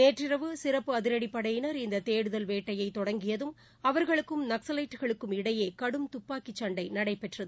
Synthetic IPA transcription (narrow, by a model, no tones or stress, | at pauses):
neːʈrɪɾɐʋɯsɪrɐpːɯɐðɪɾɐɽipːɐɽɐjɪnɐɾɪnd̪ɐt̪eːɽɯðɐlʋeːʈːɐjɐɪt̪ːɔɽɐŋɡɪjɐðɯm | ɐʋɐɾɣɐɭɯkːɯmnɐksɐlɐɪʈːɯɣɐɭɯkːɯmɪɽɐjeːkɐɽɯmt̪ʊpːaːkit͡ʃːɐɳɖɐɪnɐɽɐɪpɛʈrɐðɯ